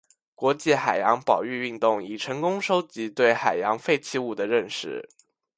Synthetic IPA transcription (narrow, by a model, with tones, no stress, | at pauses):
kwɔ˧˥t͡ɕi˥˩xa˨˩ɪjɑ˧˥ŋpɑ˨˩ʊy˥˧y˥˧nt̪ʊ˥˩ŋi˨˩ʈ͡ʂʰɤ˧˥ŋkʊ˥ŋʂo˥ʊt͡ɕi˧˥t̪we˥˩ɪxa˨˩ɪjɑ˧˥ŋfe˥˧ɪt͡ɕʰi˥˧u˥˩d̪ə˩ɻə˥˧nʂɻ̩˥˩